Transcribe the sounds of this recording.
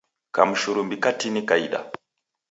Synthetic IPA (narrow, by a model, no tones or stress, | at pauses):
ka̰muʃuɾumbikatinikaḭɗa̰